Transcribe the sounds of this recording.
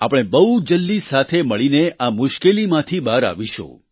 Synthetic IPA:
apəɽ̃ebəɦud͡ʒəlːisat̪ʰeməɭineʔamʊʃkelimãt̪ʰibaɾa̰ʋiʃõ̰

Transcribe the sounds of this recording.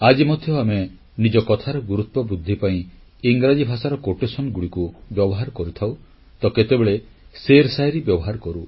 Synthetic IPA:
ad͡ʒimɔd̪ʱjɔame | nid͡ʒɔkɔt̪ʰaɾɔɡuɾut̪wɔbud̪ʱːipaĩ | iŋɡɾad͡ʒibʱasaɾɔkoʈesɔnɡuɽikubjɔbɔɦaɾɔkɔɾut̪ʰaw | t̪ɔket̪ebeɭeseɾsajɾibjɔbɔɦaɾɔkɔɾu

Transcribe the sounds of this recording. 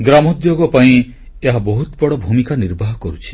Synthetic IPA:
ɡɾamɔd̪joɡɔpaĩ | eɦabɔɦut̪bɔɽɔbʱumikaniɾbʱaɦɔkɔɾut͡ʃʰi̥

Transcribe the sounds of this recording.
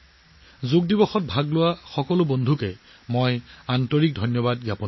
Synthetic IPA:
zoɡ̚dibɔxɔt̚bʱaɡlʊwaxɔkɔlʊbɔndʱukɛ | mojantɔɹik̚dʱɔjnjɔbadɡjapɔ

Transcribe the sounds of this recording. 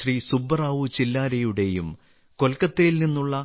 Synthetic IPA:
risubːɐraːʋut͡ɕilːaːɾɐjuɽe̞jum | ko̞lkɐt̪ːejilninːuɭːɐ

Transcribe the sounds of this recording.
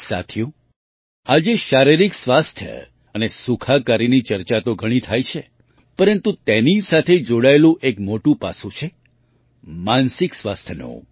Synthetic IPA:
sa̰t̪ʰjũ | ad͡ʒeʃaɾiɾiksʋast̪ʰjə̰ | ənesukʰakaɾinit͡ʃəɾt͡ʃat̪oɡʱəɽ̃it̪ʰajt͡ʃʰe | pəɾənt̪ũt̪enisat̪ʰed͡ʒoɽaelũʔekmoʈũpa̰sũt͡ʃʰe | mansɪksʋast̪ʰjənṵ̃

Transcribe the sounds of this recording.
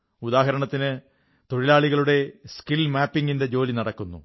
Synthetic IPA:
ud̪aːɦɐɾɐɳɐt̪ːinɨ | t̪o̞ɻilaːɭiɣɐɭuɽe̞skilmaːpːiŋɡinde̞d͡ʑo̞ːlinɐɽɐkːunːṵ

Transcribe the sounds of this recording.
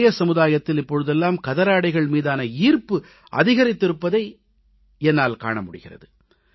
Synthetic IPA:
jɐsɐmɯðaːjɐt̪ːɪlɪpːɔɻɯðɛlːaːmkɐðɐɾaːɽɐɪɣɐɭmiːðaːnɐiːrpɯ | ʔɐ̰ðɪɣɐɾɪt̪ːɪɾɯpːɐðɐɪ | ɛnːaːlka̰ːɳɐmʊɽɪ̰ɣɪrɐ̰ðɯ

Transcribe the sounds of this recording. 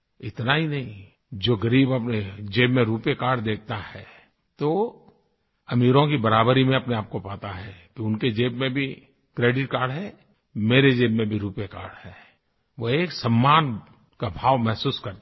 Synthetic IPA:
ɪt̪naɦinɐɦĩ | d͡ʒoːɡɐɾiːbɐpned͡ʒeːbmẽɾuːpjekaːɾɖd̪eːk̚ʰt̪ahɛ | t̪o | ɐmiːɾõk̬ibɐɾaːbəɾimẽɐpneaːp̚kopaːt̪aɦɛkiʊnked͡ʒeːbmẽbʱi | kɾeːɖɪʈkaːɾɖɦɛ | meːɾed͡ʒeːbmẽbʱiɾuːpjeka̰ːɾɖɛː | ʋoeːksɐmːaːn | kabʱaːʋmɛɦsuːskɐɾt̪

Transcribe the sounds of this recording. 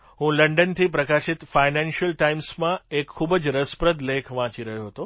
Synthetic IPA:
ɦũləɳɖənt̪ʰip̬ɾəkaʃɪt̪fainɛ̃nʃəlʈaimsmãekʰːubəd͡ʒɾəspɾəd̪lekʰʋãt͡ʃiɾəɦjoɦət̪o

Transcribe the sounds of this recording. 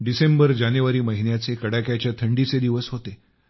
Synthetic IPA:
ɖisembəɾd͡ʑanjuʋaɾiːməɦinjat͡sekəɽakjat͡ɕjat̪ʰəɳɖit͡sed̪iʋəsɦot̪e

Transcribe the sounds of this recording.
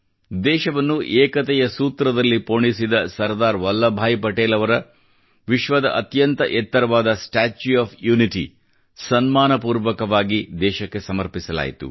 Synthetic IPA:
d̪ɛːʃɐʋɐnːuʔeːkɐt̪ɛjɐsuːt̪ɾɐd̪ɐlːipoːɳisid̪ɐsɐɾd̪aːɾʋɐlːɐbʱaːjipɐʈeːlɐʋɐɾɐ | ʋiʃʋɐd̪ɐ̰ʔɐt̪jɐnt̪ɐ̰ʔɛt̪ːɐɾɐʋaːd̪ɐsʈaːt͡ʃuaːpʰjuːniʈḭ | sɐnmaːnɐpuːɾʋɐkɐʋaːɡid̪ɛːʃɐkːe̞sɐmɐɾpisɐla̰ːjt̪ṵ

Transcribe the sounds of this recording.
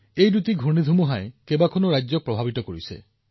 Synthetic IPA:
ejdut̪iɡʱoɽid̪ʱumuɦaekebakʰɔnuɾajd͡ʒjɔk̚pɾɔbʱabit̪ɔkɔɽisḛ

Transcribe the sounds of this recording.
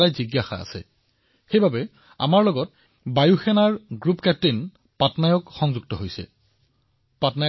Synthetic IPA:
ajziɡjaxa̰a̰sɛ̰ | xejbʱabɛ | a̰maɹlɔɡɔt̚ | bajuxɛnaɹɡɹupkɛp̚tin | patnajɔkxɔŋzuɡ̚tɔɦojsɛ̰ | patna

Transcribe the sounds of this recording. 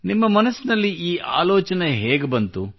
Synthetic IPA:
nimːɐmɐnɐsːinɐlːiiːʔa̰ːloːt͡ʃɐneɦeːɡebɐnt̪u

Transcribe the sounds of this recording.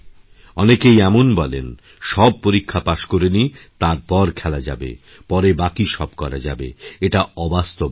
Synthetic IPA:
ɔnekejɛmonbɔlḛn | ʃɔb̚poɾikʰːapaʃkoɾenit̪aɾpɔɾkʰɛlad͡ʑa̰bḛ | pɔɾebakiʃɔb̚kɔɾa̰d͡ʑa̰bḛeʈaɔbast̪o

